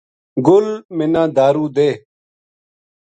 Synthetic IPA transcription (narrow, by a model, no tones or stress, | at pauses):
ɡʊlmɪnãːd̪aːɾuːd̪eː